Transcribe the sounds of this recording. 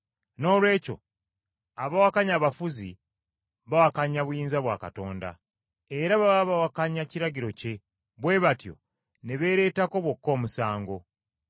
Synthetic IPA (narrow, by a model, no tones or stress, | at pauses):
no̞ːlwe̞ːco̞̰ | aβawakaɲaːβafuzi | βawakaɲaβwjiːnzaβwa̰ːkato̞ːnda̰ | eɾaβawaβawakaɲaciɾaɡiɾo̞ce̞ | βwe̞βatjo̞̰ | ne̞βe̞ːɾe̞ːtako̞βwo̞kːo̞ːmusaːŋɡo̞